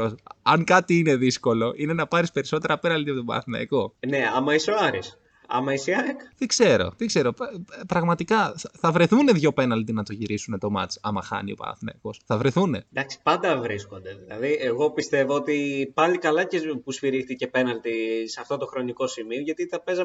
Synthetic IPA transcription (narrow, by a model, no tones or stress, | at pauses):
oɐŋkɐt̪iine̞ðisko̞lo̞ʔine̞nɐpɐɾispe̞ɾiso̞t̪e̞ɾɐpe̞nɐlt̪iɐpot̪obɐ̰θinɐ̰ikone̞ɐmɐisoɐɾis | ɐ̰mɐisiɐkt̪ikze̞ɾo̞̰t̪iɡze̞ɾo̞ppɾɐɣmɐt̪ikɐθθɐvɾe̞θune̞ðʝo̞pe̞nɐlt̪inɐt̪o̞ʝiɾisune̞t̪o̞mɐ̰t͡sɐ̰mɐxɐ̰niopɐ̰θinɐ̰iko̞sθɐvɾeθune̞d̪ɐksi̥pɐnd̪ɐvɾisko̞nd̪e̞ðilɐ̰ðieɣo̞pist̪e̞voot̪ipɐlikɐlɐcepusfiɾixt̪ice̞pe̞nɐlt̪iseɐft̪o̞t̪o̞xɾo̞niko̞simio̞ʝɐt̪it̪ɐpe̞zɐ